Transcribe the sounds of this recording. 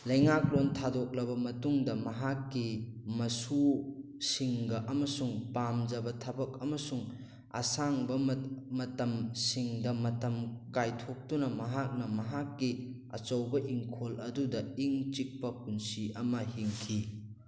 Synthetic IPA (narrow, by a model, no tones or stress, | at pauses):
lɐjŋak̚lontʰadɔk̚lɐbɐmɐtuŋdɐmɐɦakːimɐsu | siŋɡɐʔɐmɐsuŋpamd͡ʒɐbɐtʰɐbɐk̚ɐmɐsuŋ | a̰saŋbɐmɐtɐmsiŋdɐmɐtɐmkajtʰok̚tunɐmɐɦak̚nɐmɐɦakːi | ɐ̰t͡ʃɐwbɐʔiŋkʰolɐdudɐiŋt͡ʃik̚pɐpunsiɐmɐhiŋkʰi